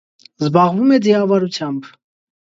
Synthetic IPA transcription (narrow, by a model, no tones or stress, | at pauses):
zbɑʁvumɛd͡ziɑvɑɾut͡sʰjɑmb